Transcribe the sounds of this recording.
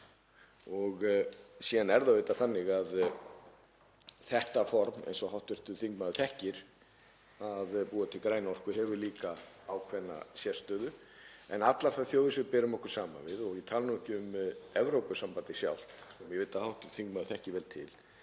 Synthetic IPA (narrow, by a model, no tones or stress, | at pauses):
ɔɣsiːðanɛɾðavejt̪aθanːɪɣað | θɛht̪afɔɾmɛḛjnsɔhawht̪vɛr̥t̪ʏθiŋkmaðʏθɛhcɪɾ̥ | aðpuːat̪ʰɪlkɾaːjnaɔr̥kʏhɛvʏɾliːka | awkʰvɛnːa̰sjɛ̥st̪œːðʏ | ɛnat̪laɾ̥θaðθjowðɪsʏpɛːɾʏmɔhkʏɾ̥saːma̰vɪðɔɣɪt̪ʰaːlnʏmɛhcɪʏmɛvɾowpʏsampant̪ɪsja̰wl̥t̪sɛmjɛveːt̪ahawht̪ʏ̥θiŋkmaðʏθɛhcɪvɛːlt̪ʰɪl